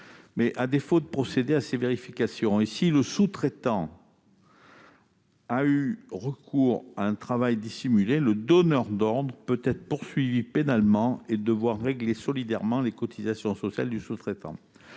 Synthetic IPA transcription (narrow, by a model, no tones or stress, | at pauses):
mɛʔad̪efod̪əpχɔsed̪easeveʁifikasjɔ̃esiləsut̪χet̪ɑ̃ | ayʁəkʰuʁaɛ̃t̪χavajd̪isimyleləd̪ɔnœʁd̪ɔʁd̪ʁəpøt̪ɛt̪χə̥puʁsɥivipenalmɑ̃ed̪əvwaʁːeɡlesɔlid̪ɛʁmɑ̃lekɔt̪ʰizasjɔ̃sɔsja̰ld̪ysut̪χet̪ɑ̰̃